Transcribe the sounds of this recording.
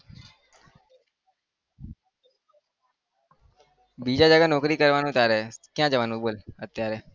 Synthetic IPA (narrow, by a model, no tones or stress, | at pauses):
biːd͡ʒaːd͡ʒaːɡaːnɔːkɾiːkəɾʋaːnũːt̪jaːɾɛːkjãːd͡ʒəʋaːnũboːlət̪ːɪjaːɾɛː